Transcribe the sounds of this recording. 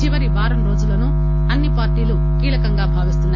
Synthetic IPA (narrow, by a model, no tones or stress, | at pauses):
iʋɐɾibaːɾɐmɾo̞ːd͡ʒulɐnu | ɐnːipaːɾʈiːlu | kiːɭɐkɐŋɡaːbʱaːʋist̪unːaː